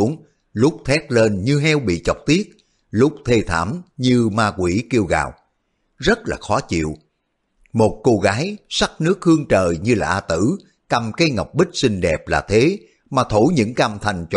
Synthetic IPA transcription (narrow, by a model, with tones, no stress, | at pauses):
əŋ | lʊ˦˥k͡p̚t̪ʰɛ˦˥t̚le˧nɲɨ˧ɦɛ˧wɓḭ˧˨t͡ɕɔ˨˩wk͡p̚t̪i˦˥ət̚ | lʊ˦˥k͡p̚t̪ʰe˧t̪ʰa̰ː˧˩mɲɨ˧maː˧kwi˧˩ki˧əwɣa̰ː˨˩w | zə˦˥t̚la̰ː˨˩xɔ˨˦t͡ɕḭ˧˨əw | mo˨˩t̚ko˧ɣaː˨˦jsa˦˥k̚nɨ˦˥ək̚hɨ˧əŋt͡ɕəː˨˩jɲɨ˧laː˨˩ʔaː˧t̪ɨ̰˧˩ | ka˨˩mkaː˨˦jŋa̰˨˩wk͡p̚ɓï˦˥k̟̚sï˧ŋ̟ɗɛ˨˩p̚laː˨˩t̪ʰe˨˦ | maː˨˩t̪ʰo˧˦ɲɨ̰˧˥ŋka˧˩mt̪ʰa˨˩jŋ̟t͡ɕ